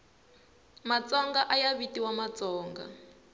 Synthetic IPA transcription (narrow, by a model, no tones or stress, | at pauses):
mat͡sɔŋɡaʔajaβitiwamat͡sɔːŋɡa̰